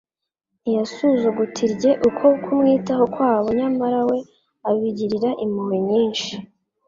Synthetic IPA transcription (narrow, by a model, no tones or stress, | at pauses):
jasuzuɡutʰiɾɟe̞ʔukʰo̞kʰumŋiːtaɦo̞kwaːβoɲamaɾawe̞ | aβiɟiɾiɾaʔimumimɲiːnʃi